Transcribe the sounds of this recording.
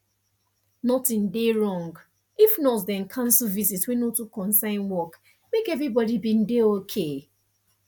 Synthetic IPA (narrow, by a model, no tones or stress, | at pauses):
nɔtĩndeɹɔ̃ŋɡ | ifnɔtdɛ̃nkʰãnsəvizitwɛ̃notukɔ̃nsãɪ̃nwɔk | mekɛvɹibɔdibĩn̩deokʰe